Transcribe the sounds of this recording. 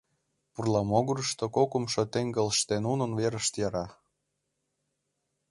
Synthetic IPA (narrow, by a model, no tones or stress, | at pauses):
purlˠɑmoɣuɾəʃt̪okokəmʃŏt̪eŋɡə̆lʃt̪enunə̆nveɾəʃt̪jɑɾɑ